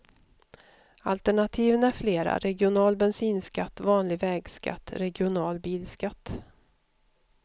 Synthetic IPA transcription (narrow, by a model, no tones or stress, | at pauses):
alt̪əɳat̪ʰiːvənæɾfleːɾa̰ɾɛɡɪʊnɑːlbɛnsiːnskat̪ːvɑːnlɪɡvɛːɡska̰t̪ːɾɛɡɪʊnɑːlbiːlskat̪ː